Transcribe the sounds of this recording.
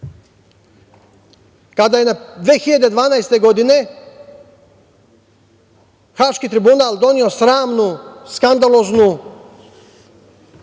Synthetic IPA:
kad̪aje̞nad̪ʋeːxiʎad̪e̞d̪ʋaːnajst̪e̞ɡo̞d̪ine̞ | xaːʃkit̪ɾibunaːlˠd̪o̞nio̞sɾaːmnuskand̪aloznu

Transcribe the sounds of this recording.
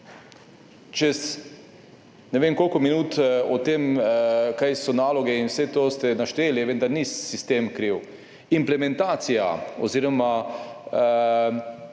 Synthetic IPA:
t͡ʃɛs | nɛʋeːmkoːlkɔminuːt̪ɔt̪emkajsɔnaːlɔɡɛinwsɛt̪oːst̪ɛnaʃt̪eːlɛʋend̪aɾnisist̪eːmkɾiw | implɛmɛ̃nt̪aːt̪sijaɔ̰ziːɾɔma

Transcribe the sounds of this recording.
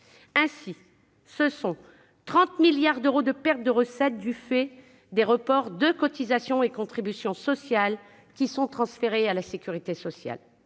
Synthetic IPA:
ɛ̃si | səsɔ̃ | t̪χɑ̃t̪miljaʁd̪øʁod̪əpɛʁt̪̚d̪əʁəsɛt̪̚d̪yfɛ | d̪eʁəpɔʁd̪əkɔt̪izasjɔ̃ekɔ̃t̪χibysjɔ̃sɔsjal | kʲisɔ̃t̪χɑ̃sfeʁealasekʲyʁit̪esɔsja̰l

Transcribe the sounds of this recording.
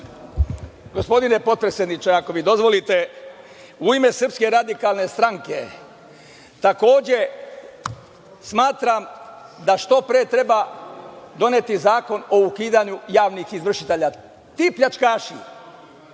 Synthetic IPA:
ɡo̞spo̞d̪ine̞po̞t̪̚pɾesʲjed̪nit͡ʃeako̞ʋid̪o̞zʋo̞lit̪e̞ | uime̞srpske̞ɾad̪ikalˠne̞st̪ɾaŋke̞ | t̪ako̞ːd͡ʑe̞ | smaːt̪ɾamd̪aʃt̪o̞pɾeːt̪ɾe̞ba | d̪o̞net̪izaːko̞no̞ukiːd̪aɲujaːʋnixizʋr̩ʃit̪eʎa | t̪iːpʎat͡ʃkaːʃḭ

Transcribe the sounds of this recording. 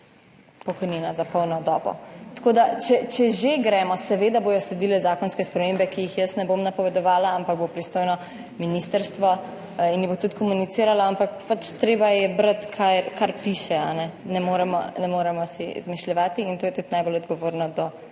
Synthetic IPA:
pɔkɔjniːnazapɔwnɔd̪ɔːbɔ̰t̪ḁkoːd̪at͡ʃɛt͡ʃɛʒeɡɾɛmɔsɛʋeːd̪aboːj̪ɔslɛd̪ilɛzaːkɔnskɛspɾɛmembɛkijixjəsnɛbomnapɔʋɛd̪ɔʋaːlaampaɡ̚bopɾist̪oːjnɔ | minist̪əɾst̪ʋɔ | injɛbot̪ut̪kɔmunit̪siːɾalaampakpat͡ʃt̪ɾeːbajɛbɾət̪kʰakaɾpiʃɛanɛnɛmoːɾɛmɔ̰nɛmoːɾɛmɔsḭzmiʃlʲɛʋaːt̪iːnt̪oːjɛt̪ut̪najbolɔd̪ɡɔʋoːɾnɔd̪ɔ

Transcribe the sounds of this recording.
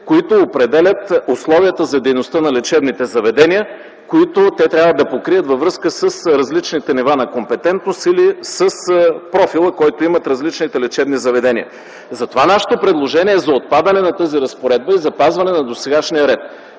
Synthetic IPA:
koit̪oːpɾɛd̪ɛlʲət̪oslˠɔviət̪əzɐd̪ɛjnost̪ənɐlɛt͡ʃɛbnit̪ɛzɐvɛd̪ɛniə | koit̪ot̪ɛt̪ɾʲabvəd̪ɐpokɾiət̪vɐvɾɤskəsəsɾɐzlit͡ʃnit̪ɛnivanɐkompɛt̪ɛnt̪nosilisəspɾɔfilˠəkɔjt̪oimət̪ɾɐzlit͡ʃnit̪ɛlɛt͡ʃɛbnizɐvɛd̪ɛniə̰ | zɐt̪ovanaʃə̥t̪opɾɛd̪lˠoʒɛniɛːzɐot̪̚pad̪ɐnɛnɐt̪əziɾɐspoɾɛd̪̚bəizɐpazvɐnɛnɐd̪osɛɡaʃnijəɾɛt̪

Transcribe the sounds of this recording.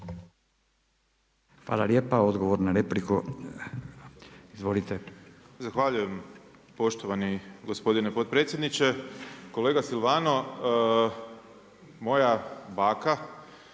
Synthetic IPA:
xʋa̰ːlalje̞ːpao̞d̪ɡo̞ʋoɾnaɾepliku | izʋo̞lit̪e | zaxʋaʎujem | po̞ʃt̪oʋaniɡospo̞d̪inepot̪̚pɾe̞t̪sʲjed̪nit͡ʃeko̞leːɡasilʋaːno | mo̞jabaːka

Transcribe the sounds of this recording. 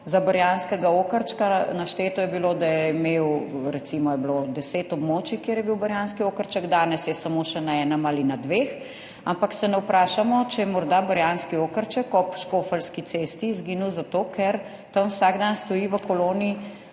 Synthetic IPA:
zabɐɾjanskɛɡaoːkəɾt͡ʃkanaʃt̪eːt̪ɔjɛbiloːd̪ajɛimeːwɾɛt̪simɔjɛblod̪ɛseːt̪ɔbmoːt͡ʃikjeɾjɛbiwbɐɾjanskioːkəɾt͡ʃəɡd̪aːnɛsjɛsamoʃɛnaɛːnəmalinad̪ʋeːx | ampaksɛnɛwpɾaːʃamɔt͡ʃɛjɛmɔɾd̪abəɾjanskioːkəɾt͡ʃəkɔpʃkofəlskit̪seːst̪izɡinuwzat̪oːkʰɛɾ | t̪ɐmwsaɡd̪anst̪ɔjiʋəkoloːnii

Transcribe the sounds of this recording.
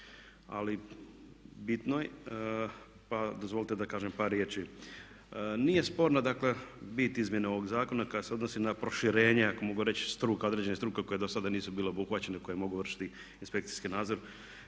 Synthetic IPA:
a̰li | bit̪noj | pad̪ozʋo̞lit̪ed̪akaːʒempaːɾːjeːt͡ʃi | nije̞spo̞ːɾnad̪akle̞bit̪izmje̞neo̞ʋo̞ɡzaːko̞nakad̪aseod̪nosinapɾo̞ʃiɾe̞ːɲeako̞mo̞ɡuɾe̞t͡ɕst̪ɾuːkao̞d̪ɾed͡ʑe̞nest̪ɾuːkeko̞jed̪osad̪aniːsubiːleobuxʋat͡ɕe̞neko̞jemo̞ɡuʋr̩ʃi̥t̪i | inspe̞k̚t̪si̥skinaːd̪zo̞ɾ

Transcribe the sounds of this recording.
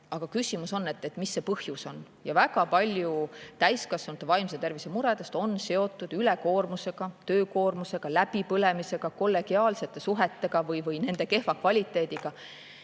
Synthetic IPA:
ɑɡ̥ɑkysʲimuso̞nːe̞t̪ːˑet̪misːe̞pɤhjuso̞n | jɑvæɡ̥ɑpɑlʲjut̪æjskɑsenut̪ːˑevɑjmset̪e̞rvisemuɾed̪̥e̞st̪o̞nse̞o̞t̪ːˑud̪̥yle̞ko̞ːrmuse̞ɡ̥ɑt̪øːko̞ːrmuse̞ɡ̥ɑlæb̥ipɤle̞mise̞ɡ̥ɑko̞lːe̞ɡ̥iɑːlse̞t̪ːˑe̞suɦet̪ːe̞ɡ̥ɑvɤjvɤjne̞nd̪̥e̞ke̞hvɑkvɑlʲit̪ːˑe̞ːd̪̥iɡ̥ɑ

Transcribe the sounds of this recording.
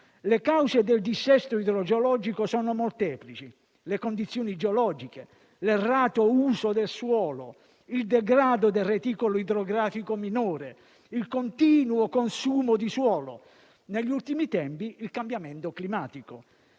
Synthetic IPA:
lekawzed̪eld̪isːɛst̪oid̪ɾod͡ʒeolɔːd͡ʒikosɔːnomolt̪ɛːplit͡ʃi | lekond̪it̪sːjoːnid͡ʒeolɔd͡ʒike | lerːaːt̪ouːsod̪elswɔːlo̰ | ild̪ɛɡɾaːd̪od̪eret̪iːkoloid̪ɾoɡɾaːfikominoɔːɾe | ilkont̪iːnuokonsuːmod̪iswɔːlo̰ | neʎːiult̪imit̪ɛmpiilkambjamɛnt̪oklimaːt̪iko

